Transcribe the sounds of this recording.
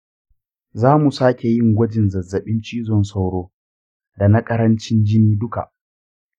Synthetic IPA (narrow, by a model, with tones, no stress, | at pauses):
zaː˦mu˨saː˦kʲe˨jɪ˦ŋɡʷɐ˦d͡ʒɪ˨nzɐ˨zːɐ˨ɓɪ˦nt͡ʃiː˦zɔ˦˨nsa˦wɽoː˦ | da˨nɐ˦kʼɐ˦ɾɐ˦nt͡ʃɪ˦nd͡ʒɪ˦niː˦dʊ˦ka̰˨ʔ